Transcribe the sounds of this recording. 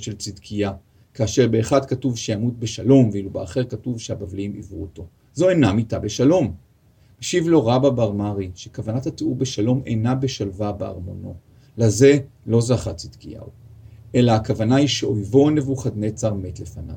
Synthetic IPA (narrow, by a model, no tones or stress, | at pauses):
ʃelt͡sidkʰija | kaːʃe̞ʁbe̞ːχadkatuvʃejamut̚beʃalo̞mveilubeaχeʁkatuvʃehabavlimḭvʁuoto̞ | zo̞enamitabe̞ʃalo̞m | beʃivlo̞ʁababaʁmaʁiʃekavanathateuʁbe̞ʃalo̞mḛnabe̞ʃalvabea̰ʁmo̞no̞ | laze̞lo̞zaχat͡sid̥kija̰uʔe̞laːkavanaiʃe̞ojvo̞ne̞vuχad̪ne̞t͡saʁme̞tle̞fana̰v